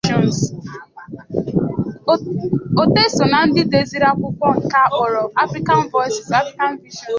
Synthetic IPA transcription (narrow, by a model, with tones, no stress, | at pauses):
ɔ˨ns | o˨te˦so˨na˨n̩˦dɪ˦de˦zi˦ɾa˦kʷʊ˦kʷɔ˦ŋ̩˨ka˦˨ʔɔ˨ɾɔ˨a˦fɾi˦ka˨n̩˦vɔ˦jsi˨sa˦fɾi˦ka˦n˦vi˦ʒɔ˨n˨